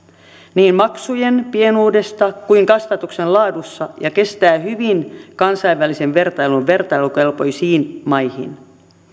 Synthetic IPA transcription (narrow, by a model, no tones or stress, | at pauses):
niːmmɑksujenpie̞nuːde̞st̪ɑkuiŋkɑst̪ɑt̪uksenlɑːdusːɑjɑke̞st̪æːhyʋinkɑnsɑiʋʋælise̞ʋʋe̞rt̪ɑjlunʋe̞rt̪ɑjlukelpo̞jsiːnmɑjhḭn